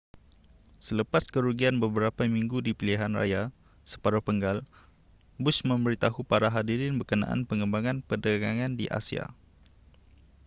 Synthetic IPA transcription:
sələpaskəɾuɡianbəbəɾapamiŋɡudipiliɦanra̰ja | sə̥paɾapəŋɡal | bʊsmə̃mbəɾit̪aɦupaɾaɦadiɾɪnbəkənã̰ʔa̰npəŋə̃mbaŋãnpərdaɡaŋãndiʔa̰sia̰

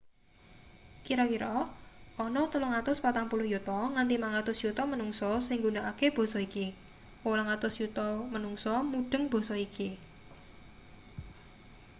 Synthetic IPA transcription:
kiɾɔkiɾɔɔnɔt̪əlʊŋat̪ʊspat̪aŋpulʊhjut̪ɔŋant̪imaŋat̪ʊsjut̪ɔmənuŋsɔsɪŋɡunaʔakeb̥ɔ̤sɔiki | olaŋat̪ʊsjut̪ɔmənuŋsɔmuɖ̥ə̤ŋb̥ɔ̤sɔikʰi

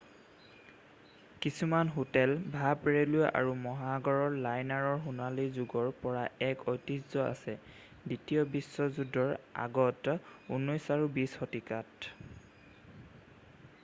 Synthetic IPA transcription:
kisumanɦotɛlbʱapɹeluʔa̰ɹumɔɦaɡɔɹɔɹlajnaɹɔɹxunalizuɡɔɹpɔɹaɛkɔjtizɔa̰sɛ | ditijɔbisːɔzudɔɹa̰ɡɔtunɔjsaɹubishɔtikat

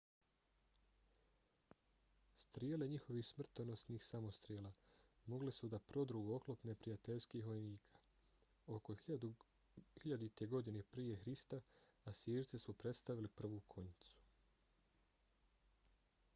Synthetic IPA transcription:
st̪ɾjele̞ɲixo̞ʋiːxsmr̩t̪ono̞sniːxsamo̞st̪ɾjeːlˠaːmo̞ɡlesud̪apɾo̞d̪ɾuo̞klo̞pne̞pɾijat̪e̞ʎskiːxʋo̞jniːkʰḁ | o̞ko̞ | hiʎad̪it̪e̞ɡo̞d̪inepɾije̞xɾist̪aasjeːɾt̪sesupɾe̞t̪st̪aʋilipr̩ʋukʰo̞ɲit̪su̥

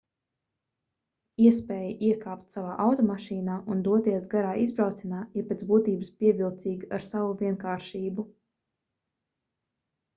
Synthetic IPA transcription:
iɛspɛːjəʔiɛkaːpt̪savaːʔawt̪ɔmaʃiːnaːʔund̪uɔt̪iɛsɡaɾaːizbɾawt̪sɛnaːiɾpet̪zbuːt̪iːbəspʲiɛvilˠt̪siːɡaɾsavuviɛnkaːɾʃiːbu

